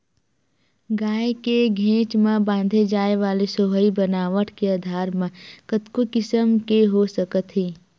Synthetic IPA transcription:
ɡaːekeɡʱẽːt͡ʃmẽbãːnd̪ʱed͡ʒaːeʋaːlesoːɦəibənaːʋəʈʰkeaːd̪ʱaːɾmẽkət̪kokɪsəmkeɦosəkət̪ɦiː

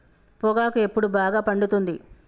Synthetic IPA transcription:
pɔɡaːkue̞pːuɽubaːɡaːpɐɳɖut̪und̪i

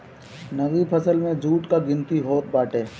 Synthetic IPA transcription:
nəɣipʰəsəlmẽd͡ʒuːʈkaɡɪ̃nt̪iɦoːt̪̚baːʈeː

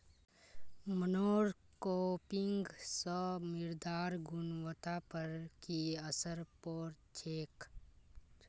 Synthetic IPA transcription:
mənoːɾkoːpɪŋɡsɔmɪɾd̪aːɾɡʊnwət̪apəɾkiəsəɾpɔːɾt͡ʃʰeːk

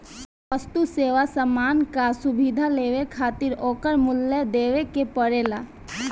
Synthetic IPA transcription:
ʋəst̪useːʋasəmaːnkasʊbid̪ʱaleːʋekʰaːt̪iɾoːkəɾmʊlːəd̪eːʋekepəɾeːla

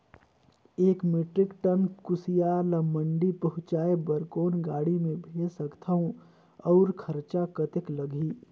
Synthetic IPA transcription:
eːkmeʈɾɪkʈənkʊsijalaməɳɖipəɦʊ̃t͡ʃaːebəɾkoːnɡaːɽimẽbʱeːsəkt̪ʰaũ | ɔʊɾkʰəɾt͡ʃakət̪ekləɡʱiː

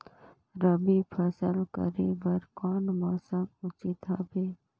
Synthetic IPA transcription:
ɾəbipʰəsəlkə̰ɾebəɾkoːnmaːsəmʊt͡ʃit̪ʰaːbeː

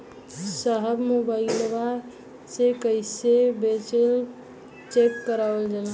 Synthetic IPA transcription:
səɦəbmubaɪlba | sekəɪsebet͡ʃel | t͡ʃekːəɾabld͡ʒan

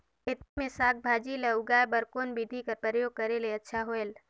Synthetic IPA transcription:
ɪt̪mẽsaːk̚bʱaːd͡ʒiləuɡaːebəɾkoːnbid̪ʱikəɾpɾəəjoːɡ̚kəɾeleɐtːʃʰaɦoel

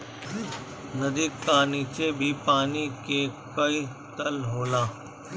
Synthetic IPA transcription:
nɐd̪iːk̚paːnit͡ʃebʱipaːnikekɐi | t̪ɐlɦoːlãː

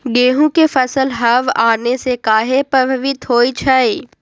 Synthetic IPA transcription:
ɡeːɦũkefɐsəlɦɐʋaːnesekaːɦepəʋʋit̪ʰoːit͡ʃʰaiː

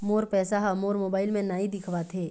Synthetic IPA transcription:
moːɾpɛːsaɦamoːɾmoːbaːɪlmẽnaːĩd̪ɪkʰʋat̪ʰeː

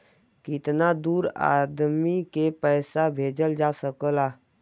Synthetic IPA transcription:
kɪt̪nad̪uːɾa̰ːd̪mikepɛːsabʱeːd͡ʒəld͡ʒaːsəkəlaː

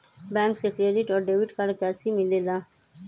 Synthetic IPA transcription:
bãŋksekɾeɖiʈɔːɾɖewiʈkaɾkasimilela

